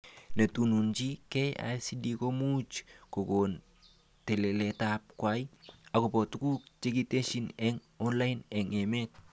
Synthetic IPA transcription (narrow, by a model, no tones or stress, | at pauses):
netununt͡ʃikɛja̰sidikomut͡ʃkoɡon | tɛlelɛtap̚kwajakopɔtukuk̚t͡ʃeɡiteʃinɛŋ | ɔnlajnɛŋɛmɛt̚